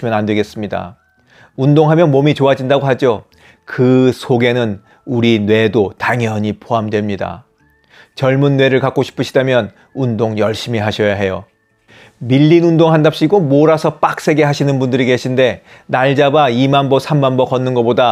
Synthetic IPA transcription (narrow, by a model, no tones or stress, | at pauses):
mjʌnandweɡe̞s͈ɯmɲida̰ | undoŋɦamjʌnmomit͡ɕoad͡ʑindaɡoɦad͡ʑo | kɯsʰoɡe̞nɯn | uɾinwe̞dotaŋjʌɲipʰoɦamdwe̞mɲida̰ | t͡ɕʌɭmunːwe̞ɾɯɭkak͈oɕʰi̥pʰɯɕʰidamjʌn | undoŋjʌɭɕ͈imiɦaɕʰʌjaɦe̞jo | miʎːinundoŋɦandap̚ɕ͈iɡomoɾasʰʌp͈ak̚s͈e̞ɡe̞ɦaɕʰinɯnbundɯɾike̞ɕʰinde̞naɭd͡ʑabaimanbʌsʰamːanbʌkʌnːɯnɡʌpoda